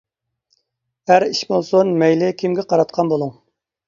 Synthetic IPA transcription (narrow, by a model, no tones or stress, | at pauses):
æɾiʃbolˠsonmɛjlɪkʲʰimɡʲɛqɑɾɑt̪̚qʰɑnbolˠuŋ